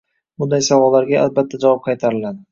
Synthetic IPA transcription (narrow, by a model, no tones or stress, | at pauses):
bʊnd̪ajsavɒllːaɾɡʲaʔalbat̪ʰːad͡ʒavɒp̚qʰɑjt̪ʰaɾɪlad̪ɪ